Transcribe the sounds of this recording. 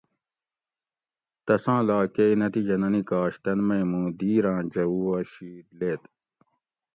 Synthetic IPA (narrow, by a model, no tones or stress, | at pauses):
t̪ɐsãːlaːkeinɐt̪id͡ʑɐnɐnikaːɕt̪ɐnmɐjmũːd̪iːɾãːd͡ʑɐuwɐːɕiːd̪leːt̪